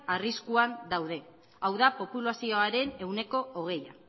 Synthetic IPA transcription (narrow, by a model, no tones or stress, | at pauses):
ariskuand̪awðe̞ | awðapo̞pulasio̞aɾe̞ne̞wne̞ko̞oɣ̞e̞ja̰